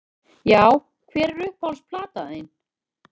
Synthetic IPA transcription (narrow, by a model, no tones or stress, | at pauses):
jaːw | kʰvɛːɾːʏhpalspʰlaːt̪aeːjn